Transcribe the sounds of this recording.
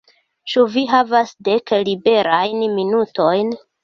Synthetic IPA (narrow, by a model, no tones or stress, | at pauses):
t͡ʃuviɦavasde̞klibe̞ɾajnminuto̞jn